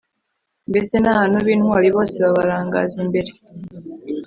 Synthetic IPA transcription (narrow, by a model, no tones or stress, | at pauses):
mbesenahanoβiːnualiβoːsiβaβaɾaːŋɡa̰ːziːmbe̞ɾe